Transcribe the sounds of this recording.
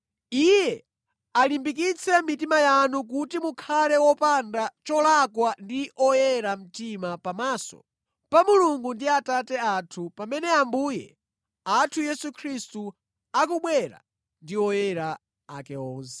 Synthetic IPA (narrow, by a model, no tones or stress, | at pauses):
ijɛ | alimbik̬it͡sʰɛmitimajanuk̬utimukʰalɛwɔpandat͡ʃɔlakwandiʔɔjɛɾam̩timapamaːsɔ̰ | pamuluŋɡundiatatɛatʰupamɛnɛambuːjɛ̰ | atʰujɛsukʰɾistu | akuɓwɛɾa̰ | ndiɔjɛɾa | a̰kɛɔːnsɛ̥